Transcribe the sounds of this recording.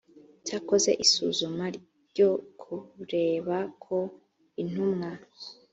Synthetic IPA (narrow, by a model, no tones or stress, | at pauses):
caːko̞ze̞̰ʔisṵzumaɾ | ɟo̞kʰuɾe̞ːβakʰo̞ | in̥umŋa